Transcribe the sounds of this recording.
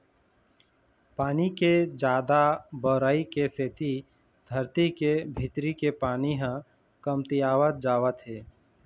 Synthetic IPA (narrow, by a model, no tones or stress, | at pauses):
paːniked͡ʒaːd̪abɔːɾaːikeset̪i | d̪ʱəɾt̪ikebʱɪt̪ɾikepaːniɦã | kəmt̪ijaːʋət̪̚d͡ʒaːʋət̪ɦeː